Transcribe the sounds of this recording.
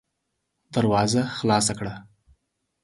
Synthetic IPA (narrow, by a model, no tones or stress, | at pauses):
d̪aɾwɑzaxlɑsakɽa